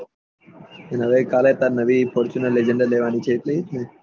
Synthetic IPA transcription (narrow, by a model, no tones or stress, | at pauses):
ənəʋekalet̪anəʋipʰoɾt͡ʃunəled͡ʒəɳɖaɾleʋanit͡ʃʰeːt̪leɦit̪ne